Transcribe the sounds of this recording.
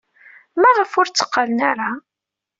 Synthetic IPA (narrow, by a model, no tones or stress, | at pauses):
mæʁəfʊɾt͡sːə̥qːalnaɾa